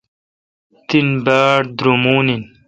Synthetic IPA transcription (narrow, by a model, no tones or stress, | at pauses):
t̪inbaːɽd̪ɾumuːnin